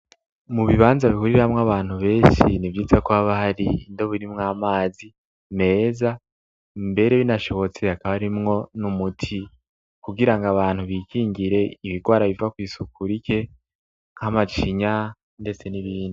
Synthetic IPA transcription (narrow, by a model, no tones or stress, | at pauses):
muβiβaːnzaβikuɾiβamŋaβaːn̥huβe̞ːʃinivjiːt͡sakuβaβahaɾindo̞βuɾimŋaːmaːzi | me̞ːza | mbe̞ɾe̞βinaʃo̞βo̞t͡se̞akaβaɾimŋo̞numutʰi | kuɡiɾaŋɡaβaːn̥huβikʰiːɲɡiɾe̞iβiɡwaːɾaβivakwiːsukuɾike̞ | ŋ̥hamat͡ʃiɲa | nde̞t͡se̞niβiːndi